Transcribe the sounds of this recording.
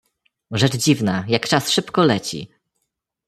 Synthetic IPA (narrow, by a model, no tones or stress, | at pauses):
ʐɛt͡ʂd͡ʑivnajakt͡ʂasʂɘpkɔlɛt͡ɕḭ